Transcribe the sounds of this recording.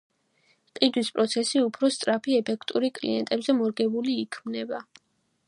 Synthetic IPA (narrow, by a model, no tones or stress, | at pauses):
qʼid̪wispʼɾɔt̪sʰɛsiupʰɾɔst̪sʼɾapʰiɛpʰɛkʰt̪ʼuɾikʼlḭɛ̰nt̪ʼɛbzɛmɔɾɡɛbuliːkʰmnɛba